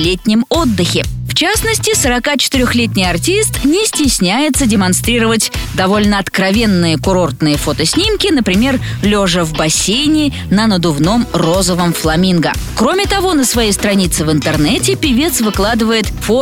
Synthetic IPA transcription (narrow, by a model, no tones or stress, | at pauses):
lʲetʲnʲɪmo̞d̪ːɨxʲɪft͡ɕasnəsʲtʲɪsəɾɐkat͡ɕɪ̥t̪ɪɾʲoxlʲet̬ʲnʲɪjɐrtʲist̪nʲɪsʲtʲɪsʲnʲæjɪt̪sədʲɪmɐnst̪ɾʲiɾəvətʲd̪ɐvo̞lʲnəɐt̪kɾɐvʲe̞nːɨjəkʊɾo̞rt̪nɨjəfo̞t̪əsʲnʲimkʲɪnəpɾʲɪmʲe̞r | lʲoʐəvbɐsʲejnʲɪ | nənəd̪ʊvno̞mro̞zəvəmflˠɐmʲinɡəkɾo̞mʲɪt̪ɐvo̞nəsvɐjejst̪ɾɐnʲit̪sɨvɨnt̪ɨrnɛtʲɪpʲɪvʲe̞t̪svɨklˠad̪ɨvəjɪt̪fo